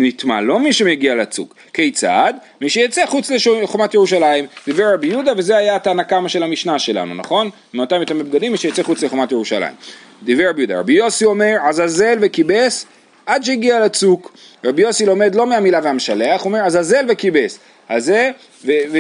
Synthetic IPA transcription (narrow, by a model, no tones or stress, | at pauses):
nit̪ma̰lo̞miʃemeɡialat͡sṵkːejt͡sa̰d̪ | miʃejat͡seχut͡sleʃχomat̪jeʁuʃalaimd̪ivʁeʁabijud̪ave̞zeajat̪aːnakamaʃe̞lamiʃnaʃe̞la̰nṵna̰χo̞n | meotamet̪ameb̚ɡad̪imːiʃejat͡seχut͡sleχomat̪jeʁuʃa̰la̰ḭm | d̪ivʁeʁabijud̪a̰ʁa̰bijo̞sio̞me̞ʁazhaze̞lvekibe̞s | ʔad̪ʃ̬eiɡialat͡suk | ʁabijo̞silo̞me̞d̪lo̞meamilaveameʃale̞aχuome̞ʁazaze̞lvekibe̞s | halze | vev